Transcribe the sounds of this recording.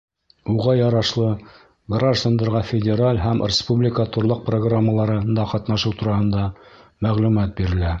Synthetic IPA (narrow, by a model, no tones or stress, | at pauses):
uʁɑjɑɾɑʃlˠɤ | ɡraʒd̪and̪ɑɾʁɑfʲɪdʲeɾalʲɦæmrʲɪspublʲɪkət̪ŏɾlˠɤq̚proɡramːəlˠɑɾɤnd̪ɑqɑt̪nɑʃɤwt̪uɾɑhɤ̆nd̪ɑmæʁlʉmæt̪̚biɾɘ̆læ